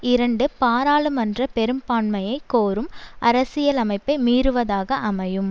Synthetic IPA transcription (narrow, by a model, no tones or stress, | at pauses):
ɪɾɐɳɖɯpaːɾaːɭɯmɐndrɐpɛɾɯmpaːɳmɐjɐɪkːoːɾɯmʔɐɾɐsɪjɐlɐmɐɪpːɐɪmiːɾɯʋɐðaːɣɐʔɐmɐjɯm